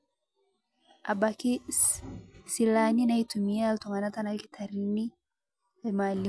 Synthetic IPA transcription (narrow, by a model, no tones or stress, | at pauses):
a̰ɓaki | silaninaitumiaːltɔŋanatanakitʰaɾini | amali